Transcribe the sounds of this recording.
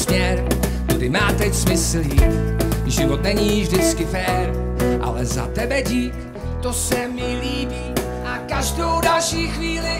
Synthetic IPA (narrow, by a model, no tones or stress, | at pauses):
sɲɛɾ | dɪmaːt̪ɛcsmɪsliːʒɪvot̪nɛɲiːvʒdɪt͡skɪfɛːɾʔa̰lɛza̰t̪ɛbɛɟiːk | t̪osɛmɪliːbiː | ʔakaʒdowdalʃiːxviːlɪ